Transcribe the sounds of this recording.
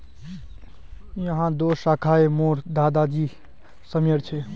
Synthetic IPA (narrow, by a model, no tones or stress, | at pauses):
jəɦãd̪oːsakʰaemoːɾd̪aːd̪ad͡ʒi | səmjəɾt͡ʃʰɛ